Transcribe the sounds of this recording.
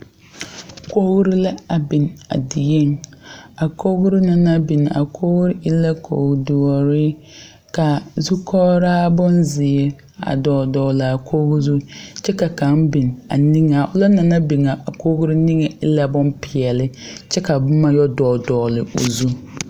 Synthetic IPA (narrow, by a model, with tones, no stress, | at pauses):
ko˦ɣɾi˦la˦a˨bi˨n˨a̰˨dɪ˨jɛ˦ŋa˨kʰo˦ɣɾi˦na˨na˦bi˨n˨a̰˨kʰo˦ɣɾi˦ʔɪ˦la˦kʰo̰ː˨ɡdʊ˨ɔ˨ɾɪ˦ | ka˨zu˦kʰɔː˦ɾaː˦bʊ˦nzɪ˨ɛ˦ | a̰˨dɔː˨dɔː˨la˨a˨kʰo˦ɣzu˦t͡ʃɛ˦ka˨ka˨˦ŋbi˨n˨a̰˨ni˦ŋa˨ʔʊ˦la˦na˨na˦bi˨ŋa˨a˨koː˦ɣɾi˦ni˦ŋɛ˨ɪ˦la˦bʊ˦npɪ˨ɛ˨lɪ˦t͡ʃɛ˦ka˨bʊ˦ma˨jɔ˦dɔː˨dɔː˨lɪ˨o̰˨zu˦